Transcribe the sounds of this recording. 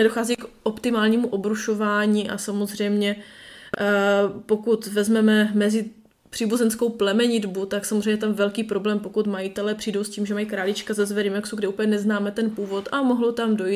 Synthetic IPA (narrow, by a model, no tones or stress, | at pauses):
nɛdo̞xaːzikʔo̞pt̪ɪmaːlɲiːmuʔo̞bɾuʃo̞vaːɲiːʔa̰samozr̝ɛjmɲɛ | po̞kut̪vɛzmɛmɛmɛzɪ | pr̝̥iːbuzɛnskowplɛmɛɲɪdbut̪aksamozr̝ejmɲɛt̪amvɛlkiːpɾo̞blɛːmpo̞kut̪majɪt̪ɛlɛpr̝̥iːdo̞wsciːmʒɛmajikɾaːlɪt͡ʃkazɛzvɛɾɪmɛksuɡdɪuːpəɲɛnɛznaːmɛt̪ɛnpuːvo̞t̪ʔamoɦlot̪amdoji